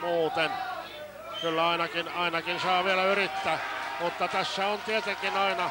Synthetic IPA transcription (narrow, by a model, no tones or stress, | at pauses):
muːt̪en | kylːæɑinɑkinɑinɑkinsɑːʋielæyɾit̪ːæːmut̪ːɑt̪æsːæont̪iet̪eŋkinɑinɑ